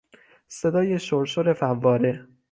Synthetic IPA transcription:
se̞d̪ɒːje̞ʃoɾʃoɾe̞fævːɒːɾe

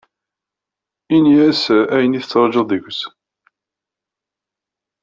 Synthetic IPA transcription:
iniæsææjəniθət͡sːəɾˤʒəððəʝʷs

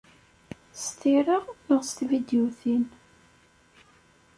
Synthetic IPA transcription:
st̪iɾəʁnəʁst̪vid̪juθin

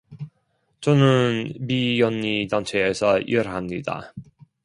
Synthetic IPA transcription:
t͡ɕʌnɯnmijʌnːidaŋt͡ɕʰeːsʰʌieɾɦamɲida̰

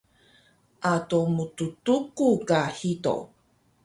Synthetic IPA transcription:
ʔatomututukukahito̰

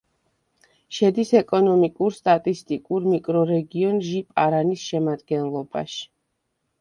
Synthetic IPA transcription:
ʃɛd̪isɛkʼɔnɔmikʼuɾst̪ʼat̪ʼist̪ʼikʼuɾmikʼɾɔɾɛɡiɔnʒipʼaɾanisʃɛmad̪ɡɛnlˠɔba̰ʃi̥

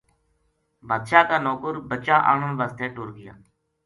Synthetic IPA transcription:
baːd̪ʃaːkaːnoːkʊɾbət͡ʃaːʔa̰ːɳənʋaːst̪eːʈʊːɾɡɪja̰ː

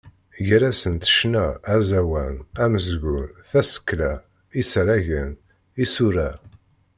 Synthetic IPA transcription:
ʝɾæsənt̪ə̥ʃnææzæwænæməzɡunθæsə̥kːlæ | isɾæʝən | isuɾæ

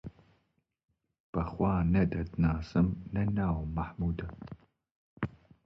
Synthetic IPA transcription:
b̥ɐχʷɑːnɐdɐdnaːsɨmnɐnaːwmaħmuːdɐ

